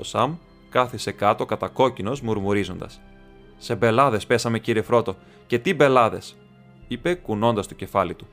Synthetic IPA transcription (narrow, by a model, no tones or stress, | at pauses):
o̰sɐm | kɐθise̞kɐt̪o̞kɐt̪ɐko̞cino̞zmuɾmuɾizo̞nd̪ɐ̰s | se̞be̞lɐðe̞spe̞sɐme̞ciɾie̞fɾo̞t̪o̞ | ce̞t̪ibe̞lɐðe̞s | ipe̞kuno̞nd̪ɐst̪o̥ce̞fɐlit̪u